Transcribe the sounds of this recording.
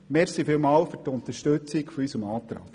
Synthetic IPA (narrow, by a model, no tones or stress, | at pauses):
meːɾsifilmɑːlfʏtʊnt̪əʃtɵt͡sikfɔysəmɑːt̪ɾɑ̰ːk